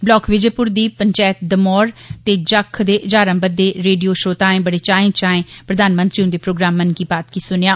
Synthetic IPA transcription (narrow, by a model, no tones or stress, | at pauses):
blɔːkʰʋɪd͡ʒeːpʊɾd̪iːpəɲt͡ʃɛːt̪̚d̪əmɔːɾt̪eːd͡ʒəkʰd̪eːʔd͡ʒaːɾə̃mbəd̪ːeːɾeːɖijoːʃoːt̪aːẽːbəɽeːt͡ʃaːẽːt͡ʃaːẽːpɾəd̪aːnmə̃nt̪ɾiːʊnd̪eːpɾoːɡɾaːmːənkiːbaːt̪̚kiːsʊnjaː